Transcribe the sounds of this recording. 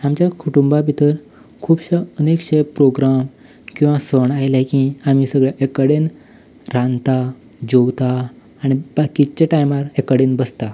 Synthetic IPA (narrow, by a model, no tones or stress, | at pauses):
amt͡ɕjakʰuʈumbabʱit̪əɾ | kʰuːbɕaənekɕepɾoɡɾam | kĩwʋãsəɳajlakĩam̤isəɡɭjaʔekəɽen | ɾãnt̪a | d͡ʑowt̪aː | ɽ̃ib̥akit͡ɕaʈajmaɾekəɽenbəst̪a